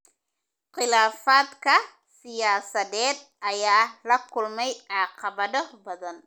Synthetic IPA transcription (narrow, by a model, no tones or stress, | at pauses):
qɪlaːfaːd̪kʰɐ | sɪjaːsɐðɛːd̪̚ʔɐjaːlɐkʰʊlmɛjʕɑːqɑβɐðɔbɐðɐn